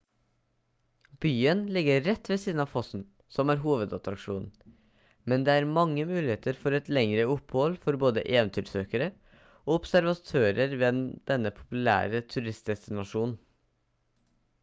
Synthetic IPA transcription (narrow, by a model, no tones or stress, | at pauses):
b̥yːənlɪɡəɾɛt̪ːʋeːsiːd̪nɑːʋfɔsn̩ | sɔmæːɾɦuːʋəd̪ɑt̪ɾɑkʂuːnn̩ | mɛnd̪eːæːɾmɑŋːəmʉːlɪheːt̪əɾfɔɾɛt̪lɛŋɾəʊphɔlfɔɾboːd̪ə̰ʔeːʋɛnt̪ʰyːɾsøːkəɾə | oːɔpsæɾʋɑt̪ʰøːɾəɾʋɛːd̪̥ɛnːəpʰʊ̥pʉlæ̰ːɾət̪ʰʉɾɪst̪d̪ɛst̪ɪnɑʂuːnn̩